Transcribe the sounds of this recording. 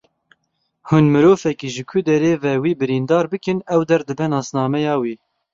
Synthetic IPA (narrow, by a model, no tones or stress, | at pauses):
hunmɨɾoːfɛkiːʒɨkʷʰud̪ɛɾeːvɛwiːbɨɾiːnd̪ɑːɾbɨkɨnɛwd̪ɛɾd̪ɨbɛnɑːsnɑːmɛjɑːwiː